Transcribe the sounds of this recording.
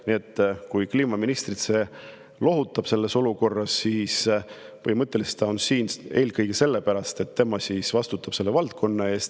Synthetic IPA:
nie̞t̪ːkujkliːmɑminist̪rit̪se | lo̞ɦut̪ːˑɑb̥se̞lːe̞so̞luko̞rːɑsːiːsvɤ̰jmɤt̪ːˑe̞list̪ɑonsiːne̞ːlkɤjɡ̥ese̞lːepæɾɑst̪e̞t̪ːe̞mɑsisvɑst̪ut̪ːˑɑb̥se̞lːe̞vɑlt̪̚kʰo̞nːɑe̞ːst̪

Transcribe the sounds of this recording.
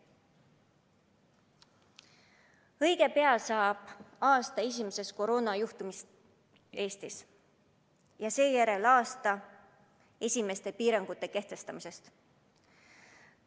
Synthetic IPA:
ɤjɡ̥e̞pe̞ɑlsɑːb̥ɑːst̪ɑes̬ʲimese̞sko̞ɾo̞ːnɑjuht̪umis | e̞ːst̪is | jɑse̞ːjæɾe̞lɑːst̪ɑ | e̞sʲime̞st̪e̞piːɾɑŋɡ̥ut̪ːˑe̞ke̞ht̪e̞st̪ɑmise̞st̪

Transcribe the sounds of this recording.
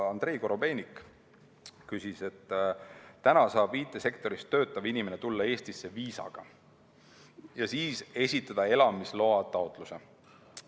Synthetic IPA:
ɑnd̪̥re̞iko̞ɾo̞be̞ːnʲik | kysise̞t̪ː | ænɑsɑːb̥viːt̪ːˑe̞se̞kt̪o̞ɾist̪ːø̞ːt̪ːˑɑvinime̞ne̞t̪ulːɑe̞ːst̪isːe̞viːsɑ̰ɡ̥ɑ̰ | jɑsiːse̞sʲit̪ːˑɑd̪̥ɑe̞lɑmislo̞ɑt̪ɑot̪ˑluse̞

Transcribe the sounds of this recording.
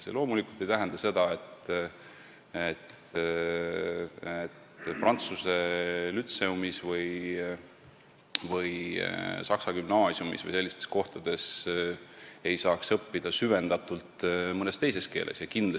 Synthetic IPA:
selo̞ːmulikult̪ːˑejt̪æɦɛnd̪ɑse̞d̪̥ɑe̞t̪ | et̪ | et̪prɑnt̪suse̞lyt̪seumisvɤj | vɤjsɑksɑɡymnɑːsjumisvɨ̰jse̞lːist̪e̞sko̞ht̪ɑd̪̥e̞s | e̞jsɑːksɤpːid̪̥ɑsyve̞nd̪̥ɑt̪ˑult̪mɤnest̪ejs̬e̞ske̞̰ːlʔe̞̰sjɑkind̪l

